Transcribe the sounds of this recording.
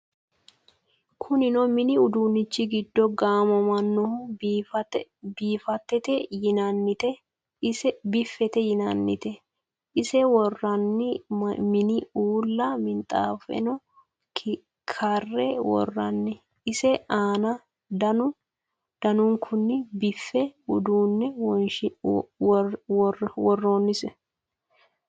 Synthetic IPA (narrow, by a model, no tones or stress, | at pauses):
kʰʊnɪnɔmɪnɪʊd̪uːnɪt͡ʃːɪɡɪd̪ːɔɡaːmɔmɐnːɔhʊtbiːfɐt̪ːɛt̪ɛjɪnɐnːɪt̪ɛ | sɛbɪfːɛt̪ɛjɪnɐnːɪt̪ɛ | ɪsɛwɔrːɐnːɪmɪnɪuːlːɐmɪnt̪ʼaːfɛ̰nɔ | kʰɐrːɛwɔ̰rːɐnːɪ | ɪsɛʔaːnɐ | d̪ɐnʊ | d̪̥ɐnʊŋkʰʊnːɪbɪfːɛʊd̪uːnːɛwɔnʃ | wɔrːoːnːɪsɛ